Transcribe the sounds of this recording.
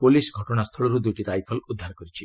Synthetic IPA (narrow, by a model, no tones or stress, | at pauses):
pulisɡʱɔʈɔɽ̃ast̪ʰɔɭɔɾud̪ujʈiɾajpʰɔlud̪ʱːaɾɔkɔɾit͡ʃʰi